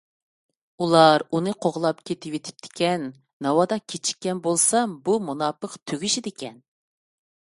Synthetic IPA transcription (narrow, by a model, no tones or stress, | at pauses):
ulˠɑɾunɨqʰoʁlˠɑpkʲʰet̪ʰɪwet̪ʰɪ̥p̚t̪ʰɪ̥kʲɛnː | ɑwɑd̪ɑkʲʰet͡ʃʰi̥kʲːɛnbolˠsɑmbumunɑːpəqt̪ʰøɡʲiʃid̪ɪkʲʰɛn